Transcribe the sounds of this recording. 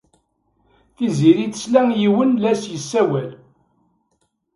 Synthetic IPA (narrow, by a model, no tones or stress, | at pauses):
θiziɾit͡s̪ə̥slæŋjiwənlæsjəsːæwæl